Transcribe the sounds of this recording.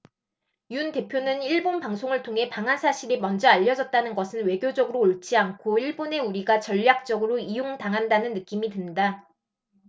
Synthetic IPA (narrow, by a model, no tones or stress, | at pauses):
junte̞pʰjonɯniɭbonpaŋsʰoŋɯɭtʰoŋɦe̞paŋɦansʰaɕʰiɾimʌnd͡ʑʌaʎːʌd͡ʑʌt̚t͈anɯnɡʌsʰɯnwe̞ɡjod͡ʑʌɡɯɾoːɭt͡ɕ͈iaŋkʰoiɭbone̞uɾiɡat͡ɕʌʎːak̚t͡ɕ͈ʌɡɯɾoijoŋdaŋɦandanɯnːɯk͈imidwenda